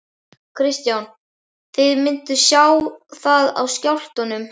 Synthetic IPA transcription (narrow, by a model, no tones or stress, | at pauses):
kʰɾɪst̪jawn | θɪðmɪnt̪ʏsjaːwθaða̰wscawl̥t̪anʏm